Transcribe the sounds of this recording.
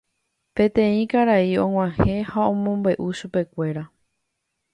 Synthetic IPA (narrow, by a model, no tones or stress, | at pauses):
pẽ̞t̪ẽ̞ĩkaɾaiõ̞ŋw̃ãhẽ̞haõ̞mõ̞mbe̞ʔuʃupe̞kʷe̞ɾa